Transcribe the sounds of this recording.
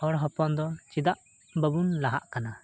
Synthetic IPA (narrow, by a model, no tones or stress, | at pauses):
ɔɾɦɔpɔnd̪ɔt͡ʃid̪aʔ | bəbunlaɦa̰ʔkana